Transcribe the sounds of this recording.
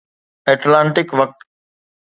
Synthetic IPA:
ɛːʈlãːɳʈɪkʋɐk̚t̪

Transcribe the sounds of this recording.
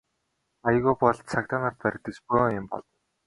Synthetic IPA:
aj̆ɣʊːpɔɮt̪t͡sʰakt̪anart̪̚pæɾʲɪ̆k̚t̪ĕspujɪmpɔ̰ɮɞ̆w

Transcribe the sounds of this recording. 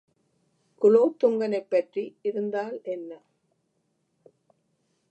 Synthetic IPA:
kʊloːt̪ːʊŋɡɐnɐɪpːɐʈriɪɾɯnd̪aːlɛnːɐ

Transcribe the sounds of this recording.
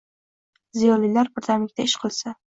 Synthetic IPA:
zijɒlːilaɾpʊɾt̪ʰamɪk̚ʲt̪ʰaɪʃqʰɨlˠsa

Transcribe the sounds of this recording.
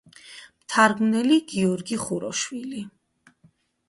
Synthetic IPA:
mt̪ʰaɾɡmnɛliɡiɔɾɡiχuɾɔ̰ʃwili

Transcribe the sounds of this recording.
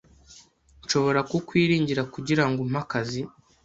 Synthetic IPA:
nʃo̞βo̞ɾakokwiːɾiːɲɟiɾakuɟiɾaŋɡom̥hakazi

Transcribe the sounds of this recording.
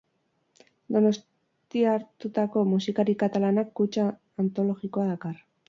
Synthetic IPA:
d̪o̞no̞s | t̪iaɾt̪ut̪ako̞musikaɾikat̪alanakːut͡ʃaː | nt̪o̞lo̞ɣiko̞aðakar

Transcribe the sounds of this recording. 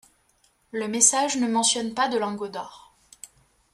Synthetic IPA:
ləmesaʒnəmɑ̃sjɔnpad̪əlɑ̃ɡod̪ɔʁ

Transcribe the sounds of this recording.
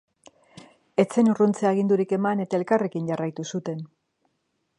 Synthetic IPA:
e̞t͡se̞nurunt͡seaːɣ̞ind̪uɾike̞mane̞t̪ae̞lkare̞kiɲɟarajt̪usut̪e̞n

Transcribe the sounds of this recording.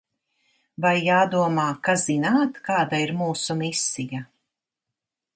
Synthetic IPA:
vajːaːd̪uɔmaːkazinaːt̪kaːd̪aiɾmuːsumisːija

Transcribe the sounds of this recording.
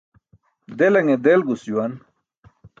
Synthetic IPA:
d̪elɐŋed̪elɡusd͡ʑjuwɐn

